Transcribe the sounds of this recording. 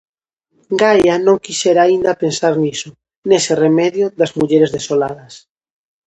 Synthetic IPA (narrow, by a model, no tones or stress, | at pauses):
ɡajanõŋkiʃɛɾaːind̪apensaɾnisʊ | neseremɛðjʊðazmuʎeɾezðesolað̞ɐs